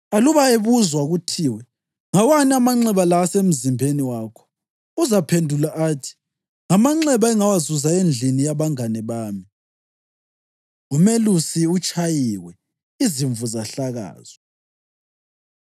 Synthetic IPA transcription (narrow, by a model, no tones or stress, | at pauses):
aluβaeβuzwaɣutʰiːwɛ | ŋawaniamaŋ͡ǀɛβalasem̩zimbʱeniwaːkʰɔ̥ | uzapʰendʱulaʔaːtʰi̥ | ŋamaŋ͡ǁɛβaɛŋawazuzaend͡ɮʱinijaβaŋanɛβaːmi | umelusiut͡ʃʼajiwɛ | iziɱvuzaɬaɣa̰ːz̥ɔ